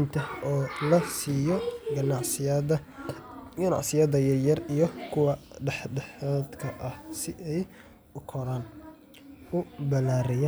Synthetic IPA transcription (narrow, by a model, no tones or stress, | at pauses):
nt̪ʰɐɔːlɐsiːjɔɡnɑ | ɡɐnɑ̰ʕsɪjɐðɐjɐjɐrijɞkʰʊwɐɖħdɛħaːd̪kʰɐʔɐhsɪʔɛj | ʊkʰɔɾaːn | ʊbɐlaːɾɪjaː